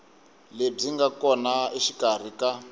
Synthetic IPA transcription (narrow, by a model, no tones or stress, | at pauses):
leb͡ʐiŋɡakɔnaiʃikar̤ika